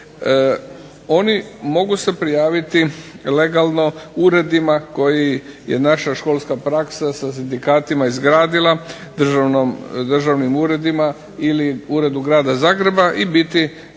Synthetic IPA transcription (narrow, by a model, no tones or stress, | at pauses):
o̞nimo̞ɡuse̞pɾijaːʋit̪i | le̞ɡalˠno̞uɾe̞d̪imako̞jijḛnaʃaʃkoːlˠskapɾaksasas̬ind̪ikaːt̪imaizɡɾaːd̪ilˠa | d̪r̩ʒanomd̪r̩ʒaʋnimuːɾe̞d̪ima | iliuːɾe̞d̪uɡɾaːd̪azaːɡɾe̞baʔibit̪i